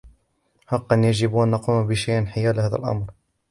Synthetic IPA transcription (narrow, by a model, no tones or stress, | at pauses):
hɑqːɑnjaʒɪbʔanːɑquːmbɪʃajʔnħɪjæːlhæːðæ̰lʔɑ̰mɾ